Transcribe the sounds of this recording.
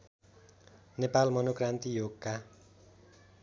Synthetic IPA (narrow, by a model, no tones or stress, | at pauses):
nepalmʌnokrant̪ijoɡːa